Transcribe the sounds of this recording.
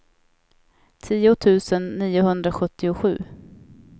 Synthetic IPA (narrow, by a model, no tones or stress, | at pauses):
t̪ʰiːʊt̪ʰʉ̟ːsənːiːʊɦɵnd̪ɾaɧɵt̪ːɪʊɧʉ̟ː